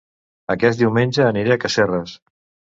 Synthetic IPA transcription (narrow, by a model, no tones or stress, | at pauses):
əkɛt̪̚d̪iwmenʲd͡ʒəːniɾeakəʃerəs